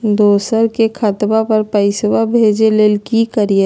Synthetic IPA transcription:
d̪oːsəɾkekʰət̪bapɐɾpəɪswabʱeːd͡ʒeleːlkikəɾijə

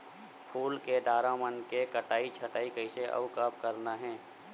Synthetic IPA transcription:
pʰuːlkeɖ̪aːɾamənkekəʈaːit͡ʃʰɐʈaːikəɪseʔɐ̰ʋkaːpkəɾnaɦɛ̃ː

